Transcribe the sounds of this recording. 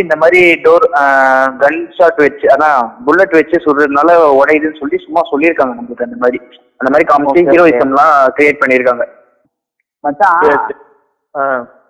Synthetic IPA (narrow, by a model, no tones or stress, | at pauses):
ɪnd̪ɐmaːd̪ɾiɖoːɾ | ɡɐɳsaːʈʋɐt͡ʃːɯaːɯnãːbʊlːɐʈːʋɐt͡ʃːɯsʊlɯnaːlɐɔɽɐjðɯnːɯsɔlːisʊmːaːsɔlːiɪɾɯkːaːŋɡɐnɐmbɯɯʈ̪ːɐnd̪ɐmaːðɾi | ɐnd̪ɐmaːd̪ɾikɐmsiɪɾoːɪsɐmlãːkɪɾɪeːʈ̚pɐɳːɪɾɯkːaːŋɡɐ | mɐ